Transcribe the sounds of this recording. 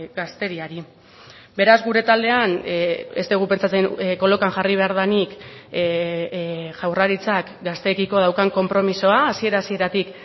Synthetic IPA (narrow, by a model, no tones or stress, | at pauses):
ɡast̪e̞ɾiaɾi | be̞ɾazɣuɾe̞t̪ald̪e̞ane̞st̪eɣ̞upe̞nt͡sat͡se̞ŋko̞lo̞kaŋʝariβ̞e̞aɾð̞anik | ʝawraɾit͡sak | ɡast̪e̞kiko̞ð̞awkaŋko̞mpɾo̞miso̞aːsie̞ɾasieɾat̪ik